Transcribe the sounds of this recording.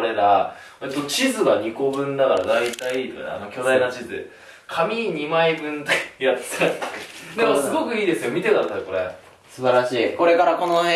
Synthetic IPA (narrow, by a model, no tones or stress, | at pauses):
ɾe̞ɾa | et̪ːot͡ɕizɨɡaɲ̟iko̞bɯ̟̃nd̪akaɾad̪ait̪aiit̪o̰a̰no̞kʲo̞d̪ainat͡ɕizɨ̰ | kʰamʲiɲimaibɯ̟̃nt̪jat̪ʰakakasɨɡo̞kɯ̟iːd̪e̞sɨjo̞mʲit̪e̞k̪aɾat̪ːat̪eko̞ɾe̞̰ | sɨbaɾaɕiːko̞ɾe̞kaɾako̞no